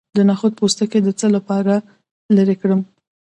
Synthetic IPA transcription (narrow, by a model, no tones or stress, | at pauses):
d̪ənaxod̪̚post̪aked̪ət͡səlapɑɾa | ləɾekɽəm